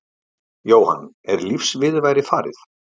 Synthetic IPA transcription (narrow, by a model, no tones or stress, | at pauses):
joːwha̰n | ɛɾlifsvɪðvaːjɾɪfaːɾɪ̰θ